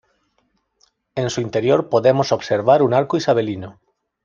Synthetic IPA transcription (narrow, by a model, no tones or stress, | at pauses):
ẽnsuint̪eɾjoɾpoðemosoβseɾβ̞aɾunaɾkoisaβelino